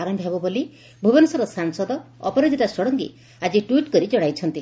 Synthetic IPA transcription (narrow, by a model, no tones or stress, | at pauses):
aɾɔmbʱɦebuboli | bʱubɔnɔsɔɾɔsaŋsɔd̪ɔɔpɔɾad̪ʱiʈasɔɽɔŋɡḭ | ad͡ʒiʈuwiʈkɔɾid͡ʒɔɽ̃ajt͡ʃʰɔnt̪i